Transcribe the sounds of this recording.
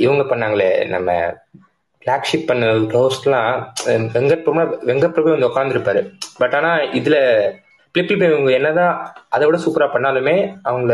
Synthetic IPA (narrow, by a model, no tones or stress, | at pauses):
ɪʋɐŋɡɐpɐɳːaːŋɡɐɭḛːnɐ̰mːɐ̰ | flaːkʂɪpːɐɳːɐɯkɐʊslãːʋɛŋɡɐpːɾɐmaʋɛŋɡɐpːɾɐpɐːʋɐnd̪ɐɔkːaːnd̪ɪɾɯpːaːɾɯbɐʈːaːnaːɪðɪlɐ | pɪlɪpːɪlp̬eɪʋɐŋɡɐɛnːɐðãːɐðɐʋɪɽɐsuːpɐɾaːpɐɳːaːlɯmeːɐʋɐŋɡɐɭ